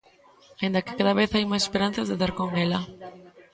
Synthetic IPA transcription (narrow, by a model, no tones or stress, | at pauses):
aind̪akɪ̥kaðaβeθajmajse̥peɾan̟θazðeðaɾkoŋela